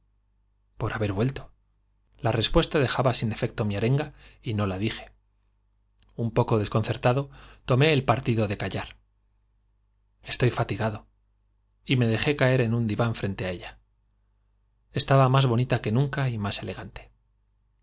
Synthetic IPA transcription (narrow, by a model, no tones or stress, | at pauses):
po̞ɾaβe̞ɾβwe̞lt̪o̞̥ | lare̞spwe̞st̪aðe̞xaβasine̞fe̞k̚t̪o̞miaɾe̞ŋɡaino̞lað̞ixe̞̥ | umpo̞ko̞ðe̞sko̞nθe̞ɾt̪aðo̞t̪o̞me̞ːlpaɾt̪iðo̞ðe̞kaʎaɾ | e̞st̪o̞jfat̪iɣaðo̞ | ime̞ð̞e̞xe̞kae̞ɾe̞nund̪iβaɱfɾe̞nt̪e̞ae̞ʎa | e̞st̪aβamazβo̞nit̪ake̞nũŋkaimase̞le̞ɣ̞ant̪e̥